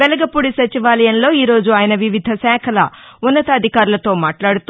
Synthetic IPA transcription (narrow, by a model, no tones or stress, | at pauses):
bɛlɐɡɐpːuɽisɐt͡ʃiʋaːlɐjɐnlo̞ːiːɾo̞ːd͡ʒuaːjɐnɐʋiʋid̪ʱɐsɛːkʰɐlɐunːɐt̪ɐːd̪ʱikaːɾulɐt̪o̞ːmaːʈlaːɽut̪u